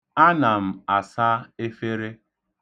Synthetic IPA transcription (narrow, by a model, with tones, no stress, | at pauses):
a˦na˨m̩˨a˨sa˦e˦fe˦ɾe˦